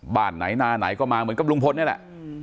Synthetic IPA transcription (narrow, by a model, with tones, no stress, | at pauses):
ba̰ː˨˩t̪̚na̰˩˦jnaː˧na̰˨˩˦jkɔː˥˩maː˧m˧ɯ˩˦ə˦nka˨˩plu˧ŋpʰo˧nːi˥˩ɐlɛ̰˨˩ʔ